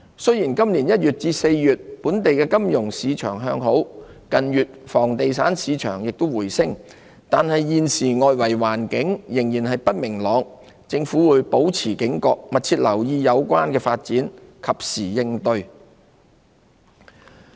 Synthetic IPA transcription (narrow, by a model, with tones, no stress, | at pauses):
sɵ˥ɥjiː˨˩nkɐ˥mliː˨˩njɐ˥t̚jyː˨t̚t͡siː˧se˧jjyː˨t̚puː˨˥nt̪e˨jkɛː˧kɐ˥mjʊ˨˩ŋsiː˨˧t͡ʃʰœ̰ː˨˩ŋɦœː˧ŋɦo˨˥w | kɐ˨njyː˨t̚fɔː˨˩ŋt̪e˨jsaː˨˥nsiː˨˧t͡ʃʰœ̰ː˨˩ŋjɪ˨k̚t̪o˥wuː˨˩jsɪ˥ŋ | t̪aː˨nhɐ˨jːiː˨˧nsiː˨˩ŋɔː˨˧jwɐ˨˩jwaː˨˩nkɪ˨˥ŋjɪ˨˩ŋjiː˨˩nɦɐ˨jpɐ˥t̚mɪ˨˩ŋlɔː˨˧ŋ | t͡sɪ˧ŋfuː˨˥wuː˨˧jpo˨˥wt͡sʰiː˨˩kɪ˨˥ŋkɔː˧k̚mɐ˨t̚t͡sʰiː˧t̚lɐ˨˩wjiː˧jɐ˨˧wkʷaː˥nkɛː˧faː˧t̚t͡siː˨˥nkʰɐ˨p̚siː˨˩jɪ˧ŋt̪ɵ˧ɥ